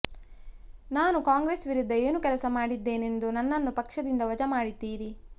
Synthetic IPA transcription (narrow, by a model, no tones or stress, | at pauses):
naːnukaːŋɡɾeːsʋiɾud̪ʱːɐe̞ːnukɛlɐsɐmaːɽid̪ːe̞ːne̞nd̪unɐnːɐnːupɐkʂɐd̪ind̪ɐʋɐd͡ʒɐmaːɽid̪ːiːɾi